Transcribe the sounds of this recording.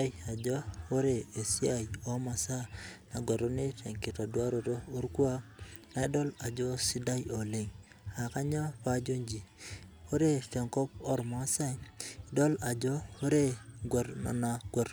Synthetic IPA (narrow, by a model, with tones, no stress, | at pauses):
ja˨d͡ʒɔ˦o˦ɾe˦˨e˨si˦a˦˨jo˨˦ma˨sa˦na˨ɡwa˨ɾo˦ni˦te˨ŋki˨ta˨dwa˦ɾo˨ɾo˦o˦ɾku˦a˦na˨˦dɔ˦la˨d͡ʒo˦si˦da˦jo˨le˨ŋ | a˨ka˦ɲɔ˦pa˦d͡ʒo˦ɲd͡ʒi˨o˦ɾe˦fɛ˨ŋkɔ˦pɔ˦ɾma˨˦sa˦jdɔ˦la˨d͡ʒɔ˦o˦ɾe˦ɡwa˨ɾna̰˨na˨ɡwa˨ɾ